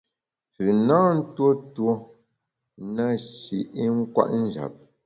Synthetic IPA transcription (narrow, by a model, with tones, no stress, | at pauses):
pʉ˨nã˦n̩˦two˦two˦ | na˦ʃi˨ʔi˦ŋ̩˦kwa̰˦ʔn̩˦d͡ʒa̰˨p̚